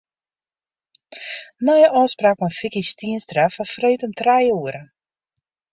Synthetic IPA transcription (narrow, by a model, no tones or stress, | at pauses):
nɔjəʔɔːspraːkfɔnfikistiənstrafɔfreːtɔmtrajuəɾə